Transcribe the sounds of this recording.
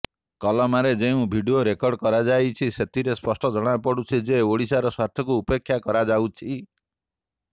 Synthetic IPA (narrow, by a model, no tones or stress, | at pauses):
kɔlɔmaɾed͡ʒeũbʱiɖioɾekɔɾɖkɔɾad͡ʒajt͡ʃʰiset̪iɾespɔsʈɔd͡ʒɔɽ̃apɔɽut͡ʃʰid͡ʒeoɽisaɾɔswaɾt̪ʰjɔkuːpekʰːjakɔɾad͡ʒawt͡ʃʰi